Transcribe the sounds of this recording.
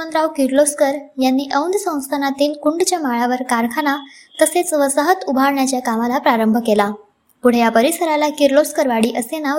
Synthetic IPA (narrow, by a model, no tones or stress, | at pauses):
ənd̪ɾaʋkiɾloskəɾjanːiːʔəwnd̪əsə̃w̃st̪ʰanat̪iːlkuɳɖt͡ɕjamaɭaʋəɾkaɾkʰana | k̪əset͡sʋəsaɦət̪ubʱaɾɳjat͡ɕjakamalapɾaɾəmbʱəkela | puɽ̤ejapəɾisəɾalakiɾloskəɾʋaɽiːʔəsena